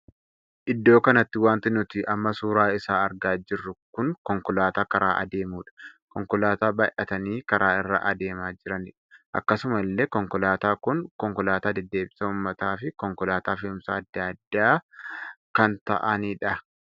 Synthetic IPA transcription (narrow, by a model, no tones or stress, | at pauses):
ʔɪd̪ːo̞ːkɐnɐt̪ːɪwaːnt̪ɪnʊt̪ɪʔɐmːɐsuːɾaːɪsaːɐɾɡaːd͡ʒɪrːʊkʊŋkɔŋkɔlaːt̪aːkɐɾaːʔɐ̰d̪e̞ːmuːᶑɐ̥kɔŋkɔlaːt̪aːbɐjʔɐt̪ɐniːkɐɾʔaːɪrːɐ̰ʔɐd̪e̞ːmaːd͡ʒɪɾɐnɪᶑɐ̥ʔɐ̰kːɐsʊmɐlːeːkɔŋkɔlaːt̪aːkʊŋkɔŋkɔlaːt̪aːd̪ɛd̪ːe̞ːbɪ̥sɐʊmːɐt̪aːfɪkɔŋkɔlaːt̪aːfɪʊmsɐːd̪ːɐd̪ːaː | kɐnt̪ɐ̰ʔɐniːᶑɐ